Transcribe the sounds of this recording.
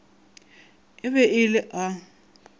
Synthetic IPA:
ɪβɛɪlɪʔa

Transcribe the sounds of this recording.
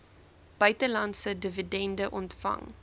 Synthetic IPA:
b̥œɥtəlɐntsədəvidɛndəʔɔntfɐ̰ŋ

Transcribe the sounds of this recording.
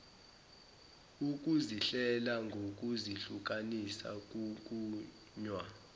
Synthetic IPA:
uk̬ʼuziɬɛlaŋɡʱok̬ʼuziɬuk̬ʼanisa̰k̬ʼuk̬ʼuː | ɲwa

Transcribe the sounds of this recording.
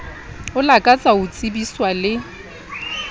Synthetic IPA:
ʊlakʼat͡sʼaʊt͡sʼɪbiswalɪ

